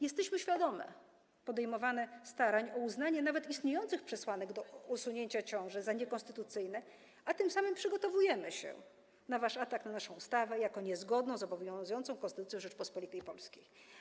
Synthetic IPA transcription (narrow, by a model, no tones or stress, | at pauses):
jɛst̪ɛɕmɘɕfʲjad̪ɔmɛ̰ | pɔd̪ɛjmɔvanɛst̪aɾaɲɔuznaɲɛnavɛt̪ist̪ɲejɔnt̪sɘxpʂɛswanɛɡd̪ɔusuɲeɲt͡ɕat͡ɕɔ̃w̃ʐɛzaɲɛkɔ̃nst̪ɘt̪ut̪sɘjnɛ | at̪ɘmsamɘmpʂɘɡɔt̪ɔvujɛmɘɕɛ̰ | navaʂat̪aknanaʂɔ̃w̃ust̪avɛjakɔɲɛzɡɔd̪nɔ̃w̃zɔbɔvjɔ̃zujɔnt̪sɔ̃w̃kɔnst̪ɘt̪ut̪jɔ̃ʐɛt͡ʂpɔspɔlʲit̪ɛjpɔlskʲej